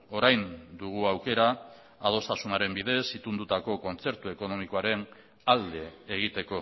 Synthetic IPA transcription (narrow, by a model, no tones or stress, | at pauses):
o̞ɾajnd̪uɣ̞uawke̞ɾaː | ð̞o̞st̪asunaɾe̞mbiðe̞sit̪und̪ut̪ako̞ko̞nt͡se̞ɾt̪ue̞ko̞no̞miko̞aɾe̞n | ald̪e̞ːɣ̞it̪e̞ko̞